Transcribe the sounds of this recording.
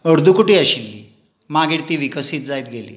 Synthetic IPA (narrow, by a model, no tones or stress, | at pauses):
əɽd̪ʱukuʈiːəɕilːi | maɡiɽt̪iːʋikəsiːt̪̚d͡zajt̪̚ɡʱelḭː